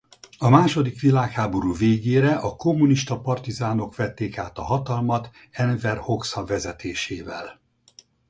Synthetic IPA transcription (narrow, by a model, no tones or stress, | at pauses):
ɒmaːʃo̞d̪ikʋilaːkhaːbo̞ɾuːveːɡeːɾɛʔɒkomːuniʃt̪ɒpɒrt̪izaːno̞kʋɛt̪ːeːkaːt̪ɒ̰ɦɒt̪ɒlmɒt̪ | ɛnvɛrho̞ksɒvɛzɛt̪ʰeːʃeːvɛ̰l